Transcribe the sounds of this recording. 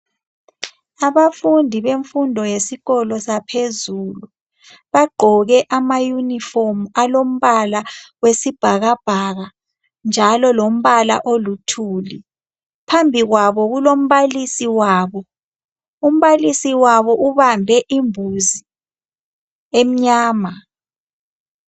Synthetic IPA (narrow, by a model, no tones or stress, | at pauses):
aβafundʱiβeɱfundʱɔjesiɣɔlɔsapʰezulu | βaɡ͡ǃʱɔɣɛʔamajunifomualom̩βalawesib̥ʱaɣab̥ʱaɣa | nd͡ʒʱalɔlom̩βala̰ʔolutʰuːli | pʰambʱiɣwaβɔɣulom̩βalisiwaːβɔ | um̩βalisiwaβɔʔuβambʱɛʔimbʱuzi | em̩ɲaːma